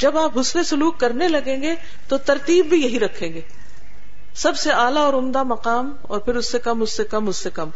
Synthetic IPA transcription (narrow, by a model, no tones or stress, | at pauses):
d͡ʒɐbaːpɦʊslẽsʊluːkːɐɾnelɐɡẽːŋɡe | t̪ot̪ɐɾt̪iːbːʱijɐɦiɾɐkʰẽːŋɡeː | sɐbseaːlaɔːɾʊmd̪amɐqaːm | ɔ̰ːɾpʰɪɾʊsːekɐmʊsːekɐmʊsːekɐm